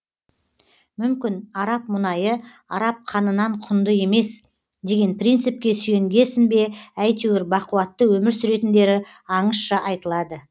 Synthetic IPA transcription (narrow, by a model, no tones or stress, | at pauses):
mʏmkʲɪnɑɾɑp̚mʊnɑjə | ɑɾɑp̚qʰɑnənɑɴqʰʊnd̪əje̞me̞s | d̪e̞ɡʲe̞npʰrijnt̪sɨp̚kʲe̞sʏje̞ŋɡʲe̞sɪnbe̞æjt̪ʰewɪɾbɑquwɑt̪ːəwɵmɪɾsʏɾe̞t̪ɪnd̪e̞ɾɪ | ɑɴəsʃɑʔɑjt̪əlˠɑd̪ə